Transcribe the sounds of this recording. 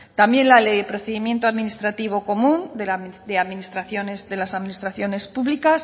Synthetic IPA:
t̪ambje̞nlalejepɾo̞θe̞ðimje̞nt̪oaðminist̪ɾat̪iβ̞o̞ko̞mũnd̪ed̪e̞aðminist̪ɾaθjo̞nezðe̞lasaðminist̪ɾaθjo̞ne̞spuβlikas

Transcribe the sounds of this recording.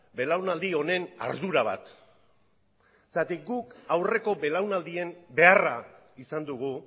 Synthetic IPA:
be̞lawnald̪io̞ne̞na̰ɾðuɾaβ̞a̰t̪ | sat̪ik̚ɡukawre̞ko̞be̞lawnald̪iembe̞ara | isand̪uɣ̞u

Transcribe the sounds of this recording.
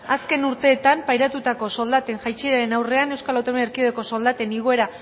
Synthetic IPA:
aske̞nuɾt̪e̞ːt̪ampajɾat̪ut̪ako̞so̞ld̪at̪e̞ŋʝajt͡ʃiɾaenawre̞ane̞wskalawt̪ameeɾkioðeko̞so̞ld̪at̪e̞niɣ̞o̞e̞ɾa

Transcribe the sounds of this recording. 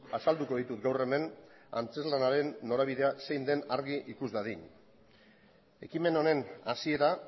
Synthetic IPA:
asald̪uko̞ð̞it̪ut̪ɡawre̞me̞n | a̰nt͡se̞zlanaɾe̞nːo̞ɾaβ̞iðe̞ase̞jnd̪e̞naɾɣiʔikuzβaðiɲ | e̞̰kime̞no̞ne̞nasie̞ɾa

